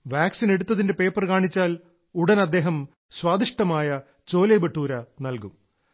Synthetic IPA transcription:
ʋaːksine̞ɽut̪ːɐðinde̞pe̞ːpːɐrkaːɳit͡ɕːaːl | uɽɐnɐd̪ːe̞ːɦɐm | swaːd̪iʂʈɐmaːjɐ | t͡ɕo̞ːlɐjbeʈːuːɾɐnɐlkum

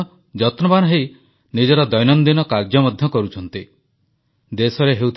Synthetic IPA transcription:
d͡ʒɔt̪nɔbanɔɦej | nid͡ʒɔɾɔd̪ɔjnɔnd̪inɔkaɾɡjɔmɔd̪ʱjɔkɔɾut͡ʃʰɔnt̪i | d̪esɔɾeɦeut̪ʰ

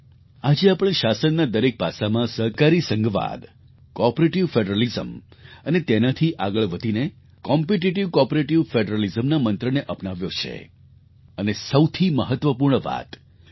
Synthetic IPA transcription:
ad͡ʒeapəɽ̃eʃasənːad̪əɾek̚pasamãsəɾkaɾisə̃ŋɡʋa̰d̪ | kɔpɾeʈiʋfeɖɾəlizəmənet̪enat̪ʰiʔaɡəɭʋəd̪ʱine | kɔmpeʈiʈiʋkɔpɾeʈiʋfeɖɾəlizəmnamənt̪ɾəneʔəpnaʋjot͡ʃʰḛ | ənesəwt̪ʰiməɦət̪ʋəpuɾɳəʋa̰t̪

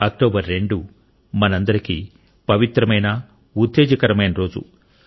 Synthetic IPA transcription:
ɐk̚ʈoːbɐɾːe̞ɳɖu | mɐnɐnd̪ɐɾiki | pɐʋit̪ɾɐmɐjnɐ | ut̪ːeːd͡ʒɐkɐɾɐmɐjnɐɾo̞ːd͡ʒṵ

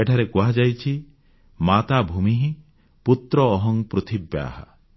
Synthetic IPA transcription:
eʈʰaɾekuɦad͡ʒajt͡ʃʰi | mat̪abʱumiɦĩ | put̪ɾɔːɦɔŋpɾut̪ʰibja̰ɦa̰

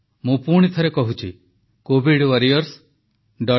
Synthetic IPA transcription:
mũpuɽ̃it̪ʰɔɾekɔɦut͡ʃʰḭ | kobʱiɖwaɾijɔɾs | ɖɔ

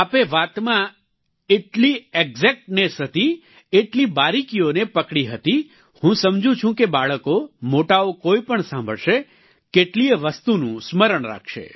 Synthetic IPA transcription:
apeʋat̪mã | eʈlieɡzek̚ʈnesɦət̪i | eʈlibaɾikionepəkɽiɦət̪i | hũsəmd͡ʒũt͡ʃʰũkebaɭəkomoʈaokoipəɳsãmbʱəɭʃe | keʈlieʋəst̪unũsməɾəɳɾa̰kʰʃḛ

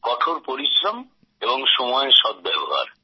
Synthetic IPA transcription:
kɔʈʰoɾpoɾiʃɾom | eboŋʃɔmɔeʃɔd̪̚bɛboɦa̰ɾ

